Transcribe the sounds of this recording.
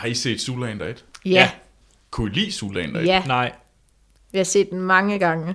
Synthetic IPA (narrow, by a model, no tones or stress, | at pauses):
hɑ̈e̝ɡ̥se̝̰ːd̥sulɛnd̥ɐed̥jæ | kʰuilḭːsṵːlɛ̰ːnd̥ɐænɑ̈ɪ̰ | ʋihɑse̝̰ːd̥en̩mɑ̈ŋəɡ̥ɑ̈ŋə